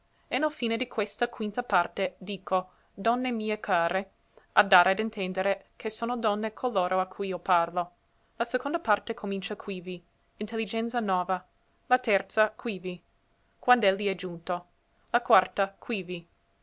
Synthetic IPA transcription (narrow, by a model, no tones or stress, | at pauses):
enɛlfiːned̪ikʰwest̪akwint̪apart̪ed̪iːkʰo | d̪ɔnːemiːekʰaːɾe | ad̪ːaːɾead̪int̪ʰɛnd̪eɾe | kʰesoːnod̪ɔnːekʰoloːɾʔoakʰːujioparlo | lasekond̪apart̪ekʰomint͡ʃakʰwivi | int̪elːid͡ʒɛnt̪sanɔːva | lat̪ɛrt̪sakʰwivi | kwand̪ɛlːiɛd͡ʒunt̪o | lakwart̪akʰwivi